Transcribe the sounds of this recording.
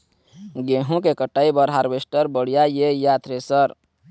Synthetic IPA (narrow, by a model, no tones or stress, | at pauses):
ɡeɦũkekəʈaibəɾɦaɾbesʈəɾbəɽijajejat̪ɾesəɾ